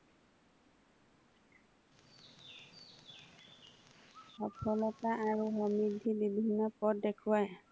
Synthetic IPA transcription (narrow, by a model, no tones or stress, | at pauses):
ɔpʰɔlɔtaʔːɹuɦɔmɹidʱːibibʱinːɔpɔt̚dɛkʰʊwaj